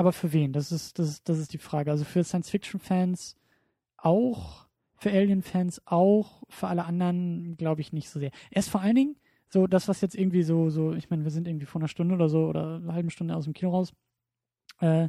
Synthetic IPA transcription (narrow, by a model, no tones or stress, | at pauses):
ʔaːbɐfyːɐveːndasɪsd̥asɪsd̥as̬ɪstd̥iːfʁ̥aːɡəʔalzofyːɐsaɪnsfɪk̚t͡ʃn̩fɛːns | ʔaʊx | fyːɐʔɛːljənfɛːnsʔaʊxfyːɐʔaləʔandɐnɡlaʊbəɪçnɪçtz̥oːzeːɐʔeːɪstfoɐaləndɪŋ | z̥oːd̥asv̥asjɛt͡stʔɪɐɡŋ̩tv̥iːzoːzoːʔɪçmaɪnəviɐzɪntʔɪɡŋ̩tv̥iːfɔːɐnɐʃtʊndəʔoːdɐzoːʔo̰ːdɐ̰halbm̩ʃtʊndəaʊsd̥emkʰiːnoʁaʊs | ʔɛː